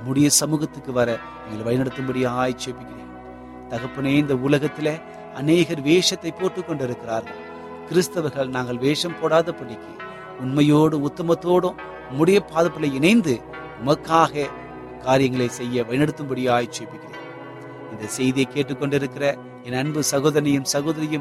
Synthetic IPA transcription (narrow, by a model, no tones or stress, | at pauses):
mʊɽɪjɐsɐmuːɣɐt̪ːɯkːɯʋɐɾɐ | niːŋɡɐɭʋɐɪnɐɽɯt̪ːɯmbɐɽɪjaːjt͡ʃːepːɪkːɪrḛːn | t̪ɐɣɐpːɐneɪnd̪ɐʊlɐɣɐt̪ːɪle | ɐneːɣɐɾʋeːʂɐt̪ːɐɪpːoːʈrɯkːɔɳɖɪɾɯkːɪɾaːɾɣɐɭ | kɪɾɪst̪ɐʋɐɾɣɐɭnaːŋɡɐɭʋeːʂɐmpoːɽaːðɐpːɐɽɪkːɯ | ʊnmɐjoːɽɯʊt̪ːɐmɐt̪ːoːɽɯː | ʊɽɪjɐpːaːðɯpːɐlɐɪɪnɐɪnd̪ɯ | nɐmɐkːaːɣɐ | kaːɾɪjɐŋɡɐɭɐɪsɛjːɐʋɐɪnɐɽɯt̪ːɯmbɐɽɪjaːjt͡ʃːepːɪkːɪrḛː | ɪnd̪ɐsɛjðɪjɐɪkːeːʈːɯkːɔɳɖɪɾɯkːɪrɐ | ɛnɐɳbɯsɐɣoːðɐnɐjɯmsɐɣoːðɐɾɐjɯm